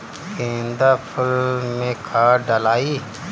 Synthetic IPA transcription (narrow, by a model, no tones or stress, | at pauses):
kẽːnd̪aːpʰʊlmẽkʰaːɖəlaːi